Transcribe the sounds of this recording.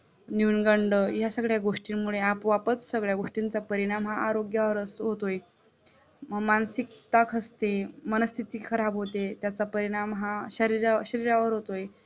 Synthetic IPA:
njunɡəɳɖəjasəɡɭjaɡoʂʈinmuɭeapʋapət͡ssəɡɭjaɡoʂʈint͡sapəɾiɽ̃amɦaʔaɾoɡjaʋəɾəsɦot̪oje | mansik̚t̪akʰəst̪emənəst̪ʰit̪iːkʰəɾabɦot̪et̪jat͡sapəɾiɽ̃amɦaɕəɾiɾaɕəɾiɾaʋəɾɦot̪oj

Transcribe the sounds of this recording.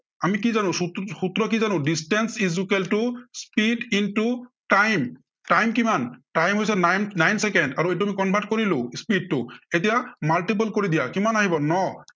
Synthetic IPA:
amikizanʊ̃suxut̪ɹɔk̬izanʊ̃distɛnsizukeltʊspidintuʈajm | ʈajmkimanʈajmɦojsɛnannajnsɛkɛndaɹuejt̬uamikɔmbʱaʈkoɹilʊ̃spid̚tʊet̬ijamalʈip̬ulkoɹid̪ijakimanaɦibɔnɔ

